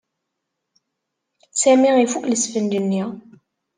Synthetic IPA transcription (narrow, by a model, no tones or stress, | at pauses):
sæmiʁifukləsfənd̪ənːi